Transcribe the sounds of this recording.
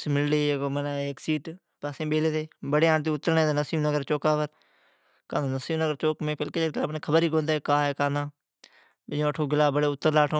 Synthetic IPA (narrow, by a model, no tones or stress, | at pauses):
smɪlɽeːekoːmənaeːksiːʈ | paːsẽːɓeːleːt̪eːbəɽeːaːɳt̪iːʊt̪ːəɾnẽːd̪ːnəsiːbnəɡəɾt͡ʃoːkaːpəɾ | kaːnãːnəsiːbnəɡəɾt͡ʃoːkmẽːpəlkeːd͡ʒeɡɪlaːbəneːkʰəbəɾiːkõːnd̪aːkaːɦɛːkaːnãː | ɪõːəʈʰːoːɡɪlaːbəɽeːʊt̪ːəɾlaːʈʰõː